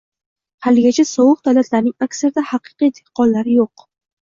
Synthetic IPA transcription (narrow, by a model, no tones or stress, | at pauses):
halɪɡʲat͡ʃʰasɒwɨq̚d̪̥awlat̪ʰlaɾnɪŋakʲsaɾd̪ahɑqʰɨ̥qijd̪e̥qːɒnlaɾɪjoq